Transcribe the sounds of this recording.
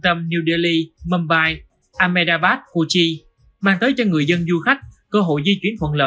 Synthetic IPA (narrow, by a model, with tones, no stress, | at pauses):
t̪ə˧mni˧wɗə˧li˧mə˧mɓaː˧j | ʔaː˧me˧ɗaː˧ɓaː˦˥t̚ku˧t͡ɕi˧ | maː˧ŋt̪əː˨˦jt͡ɕɔ˧ŋɨ˨˩əjzə˧nzu˧xa˦˥jk̟̚kəː˧ɦo̰˧˨jzi˧t͡ɕwi˨˦ənt̪ʰwə̰˧˨nlə̰ː˧˨